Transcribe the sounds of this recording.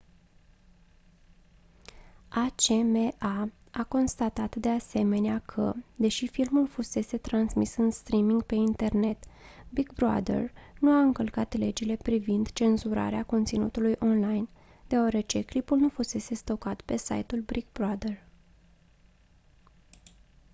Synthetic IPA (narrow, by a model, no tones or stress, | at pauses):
at͡ʃemeʔa | ako̞nst̪at̪at̪d̪e̞ase̞me̞neakʰə̰d̪e̞ʃifilmulfuse̞se̞t̪ɾansmisɨnst̪ɾimiŋɡpe̞int̪e̞rne̞t̪bikbɾa̰d̪ḛrnuaɨŋkəlkat̪le̞d͡ʒile̞pɾivind̪t͡ʃe̞nzuɾa̰ɾeako̞nt̪sinṵt̪ulujʔo̞nlajn | d̪̥eaɾe̞t͡ʃe̞klipulnufuse̞se̞st̪okat̪pe̞sa̰jt̪ulbɾik̚bɾad̪er